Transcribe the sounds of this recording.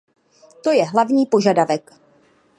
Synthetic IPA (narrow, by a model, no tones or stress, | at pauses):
t̪o̞jɛɦlavɲiːpo̞ʒadavɛk